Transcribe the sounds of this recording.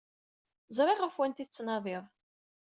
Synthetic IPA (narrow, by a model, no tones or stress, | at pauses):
zˤɾˤeʁəfwænt̪iθət͡sːnɑðˤɪðˤ